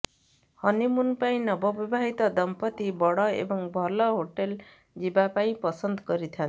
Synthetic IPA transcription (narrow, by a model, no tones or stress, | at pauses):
hʌnimunpaĩnʌbʌbibʱaɦit̪ʌd̪ʌmpʌt̪ibʌɽʌḛbʌŋbʱʌlʌɦoʈel | d͡zibapaĩpʌsʌnd̪ɡʌɾit̪ʰan